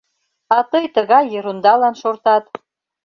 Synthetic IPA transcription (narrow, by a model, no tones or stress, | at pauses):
ɑt̪əjt̪əɣɑjːɤɾund̪ɑlɑnʃort̪ɑt̪